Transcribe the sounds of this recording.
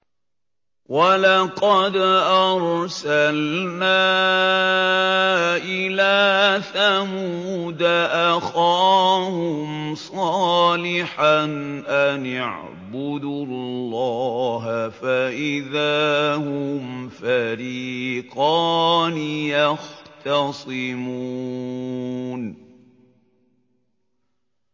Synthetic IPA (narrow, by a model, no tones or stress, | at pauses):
walɑqɑd̪ʔɑɾˤsalnaː | ʔɪlaːθamuːd̪aʔaxaːhʊmsˤɑːlɪħanʔanaʕ | bʊd̪llːɑːɦafaʔɪðaːhʊmfaɾiːqɑːnɪjɑxt̪ɑsˤɪmuː | n